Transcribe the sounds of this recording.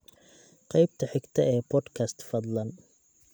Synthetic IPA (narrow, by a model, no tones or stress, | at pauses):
qɑjbt̪ʰɐħɪɡt̪ʰɐɛːbʰɔːd̪kʰɐst̪fɐd̪lɐn